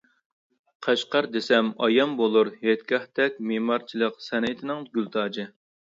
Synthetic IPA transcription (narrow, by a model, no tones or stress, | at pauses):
qʰæʃqɑɾd̪esɛmɑ̰jɑmbolˠuɾhɛt̪kʲɑht̪ɛkʲmemɑɾt͡ʃʰilˠəqsɛnɪt̪ʰɪnɪŋɡʲylt̪ʰɑːd͡ʒɨ